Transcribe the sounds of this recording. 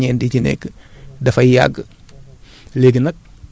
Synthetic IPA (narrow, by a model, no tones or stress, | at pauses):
ɛːndicinɛ̰kːdɐfɐja̰ɡ | leɡənɐk̚